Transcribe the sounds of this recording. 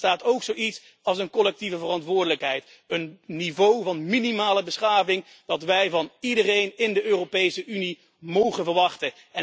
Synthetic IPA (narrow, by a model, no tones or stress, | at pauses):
taːtowksowits | ɑlˠsənkɔlɛk̚tivəvərɑntʋʊːɹdələkɦɛjt | ənnivowvɑnminimaːləbəsχaːvɪŋ | d̥ɑtʋɛjvɑnidərejnɪndəøːropejsəʔyni | mowχənvəɹʋɑχtə | ɛ